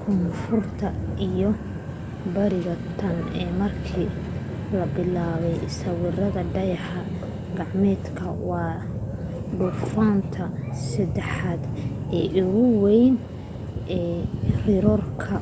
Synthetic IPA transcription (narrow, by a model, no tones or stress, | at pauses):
kʰɔnfʊrt̪ʰɐʔijɔ | bɐɾɪɣɐt̪ʰɐnɛːmɐrkʰiː | lɐbɪlaːβɛjsɐwɪrɐðɐɖɐjɑħɐ | ɡɑʕmɛːd̪kʰɐwɑː | ɖʊfaːnt̪ʰɐsɐd̪ɛħaːd̪ɛːʔʊɣʊwɛjn | ʔɛːrɪɾɔrkʰɐ